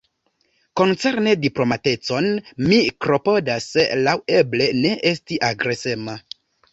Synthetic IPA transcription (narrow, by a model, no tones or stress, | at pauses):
ko̞nt͡se̞ɾnediplo̞mate̞t͡so̞nmikɾo̞po̞dasːelaweble̞ne̞ʔe̞stiʔaɡɾe̞sema